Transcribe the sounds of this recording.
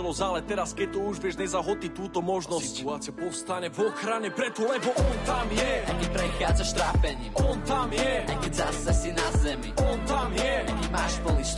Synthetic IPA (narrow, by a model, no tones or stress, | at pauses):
lˠɔzalɛt̪ɛɾaskɛt̪ɔuʒʋjɛʒɲɛzaɦɔt̪it̪uːt̪ɔmɔʒnɔsuaːt̪t͡siapɔfst̪aɲɛvɔxɾaɲɛpɾɛt̪ulɛbɔʔɔnt̪amjɛɐkipɾɐkazɐʃt̪ɾafɛɲɔnt̪amjɛɐkizasasinazɛmɔnt̪amjɛɐkimaʃpɔlˠiʃ